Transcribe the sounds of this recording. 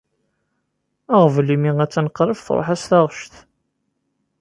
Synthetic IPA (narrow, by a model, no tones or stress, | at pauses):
æʁvlimiŋæt͡sːænəqːɾəfθɾˤo̰ħæsθɑʁʃθ